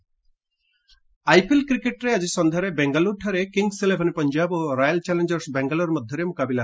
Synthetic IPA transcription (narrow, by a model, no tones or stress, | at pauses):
ajpilkɾikeʈɾead͡ʒisɔnd̪ʱaɾebeŋɡaluʈʰaɾekiŋɡselebʱɔnipɔnd͡ʒaboɾajalt͡ʃɛlend͡ʒɔɾsbɛŋɡalɔɾmɔd̪ʱjɔɾemukabila